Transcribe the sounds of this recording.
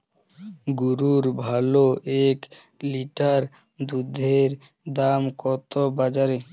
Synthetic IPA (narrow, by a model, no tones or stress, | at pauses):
ɡuɾuɾbʱaloʔek | liʈaɾ | d̪ud̪ʱeɾ | d̪amkɔt̪obad͡ʑaɾe